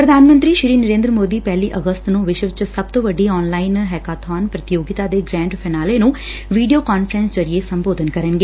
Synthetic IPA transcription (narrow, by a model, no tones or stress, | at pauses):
pɾəd̪ʱaːnmə̃nt̪ɾiːʃɾiːnəɾẽːnd̪ɾəmoːd̪iːpɛːliːʔəɡəst̪nũːʋɪʃʋɪt͡ʃsəb̚t̪õːʋəɖːiːɔːnlaːɪnɦɛːkaːt̪ʰaːnpɾət̪ɪjoːɡɪt̪aːd̪eːɡɾɛ̃ːɳɖpʰɛːnaːleːnũː | ʋiːɖijoːkaːnpʰəɾə̃nsd͡ʒəɾɪeːsəmboːd̪ənkəɾənɡeː